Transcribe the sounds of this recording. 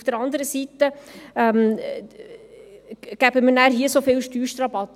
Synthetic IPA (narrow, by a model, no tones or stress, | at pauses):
fd̥əɾɑnd̪əɾəsit̪əɛm | ɡ̥æbəmənæːɾɦiːəsofɪlʃtyːɾʃtɾɑbɑt̪